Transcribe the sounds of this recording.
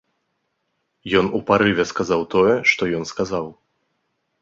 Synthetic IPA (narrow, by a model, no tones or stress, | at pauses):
jɔnupaɾɨvʲɛskazawt̪ɔjɛʂt̪ɔjɔnskazaw